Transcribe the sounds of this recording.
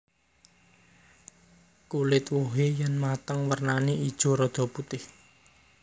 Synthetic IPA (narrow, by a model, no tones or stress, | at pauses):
kulɪt̪woɦejɛnmat̪əŋwərnaneid̥ʒ̥o̤ɾɔd̪̥ɔ̤put̪ɪh